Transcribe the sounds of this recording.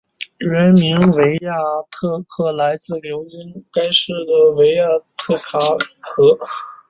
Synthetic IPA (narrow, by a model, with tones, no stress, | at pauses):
ɻə˧˥nmi˧˥ŋwe˧˥ɪja˥˩t̪ʰɤ˥˧kʰɤ˥˩la˧˥ɪt͡sɹ̩˥˩ljo˧˥ʊt͡ɕi˥ŋka˥ɪʂɻ̩˥˩d̪ə˩we˧˥ɪja˥˩t̪ʰɤ˥˩kʰa˥kʰɤ˥